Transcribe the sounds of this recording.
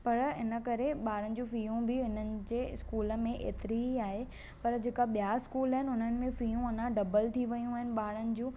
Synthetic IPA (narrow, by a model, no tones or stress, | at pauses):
pɐɾɪnə̆kɐɾeɓaːɽ̤ənɪ̆d͡ʑũːfijũbɪɪnənɪ̆d͡ʑeːɪskuːlə̆mẽʔḛːt̪ɪɾiɦiaːɦe | pɐɾd͡ʑeːkaɓijaɪskuːlaɦɪnɪʊn̤ənɪ̆mẽfijũɐnãɖɐbəlt̪ʰiʋɐjũaːɦɪnɪ̆ɓaːɽ̤ənɪ̆d͡ʑũː